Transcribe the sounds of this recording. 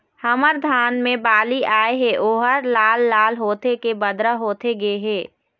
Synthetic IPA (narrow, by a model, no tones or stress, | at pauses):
həməɾd̪ʱaːnmẽbaːliʔaːeɦẽʔoːɦəɾlaːlːaːlɦoːt̪ekebəd̪ɾəɦoːt̪eɡeɦeː